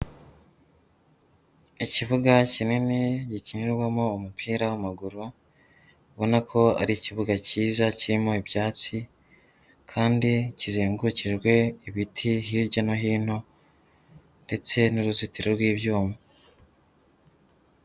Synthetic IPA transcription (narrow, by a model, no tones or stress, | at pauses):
iciβuɡacininiɟiciniɾɡwamoːmupʰiːɾawamaɡuɾu | βo̞nakʰo̞a̰ɾiciβuɡaciːzaciɾimo̞ibjaːt͡si | kʰaːndicizeːŋɡuciɾɡwe̞iβitʰiɦiːɾɟanoɦiːn̥ho̞ | nde̞t͡se̞nuɾuzitiɾiɾɡwiːβjuːmu